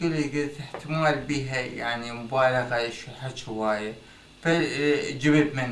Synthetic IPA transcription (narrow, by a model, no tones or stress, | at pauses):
ɪlɡɪt̪ɪħt̪ɪmaːlbiːɦajaʕnimʊbaːlaɣaʃħaʃɪwaːja | fad͡ʒɪbɪbmɪn